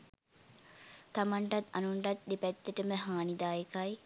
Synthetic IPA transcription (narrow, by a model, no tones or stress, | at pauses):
t̪amaɳʈat̪anuɳʈat̪̚d̪epɛt̪ːəʈəməɦaːnid̪aːjekaj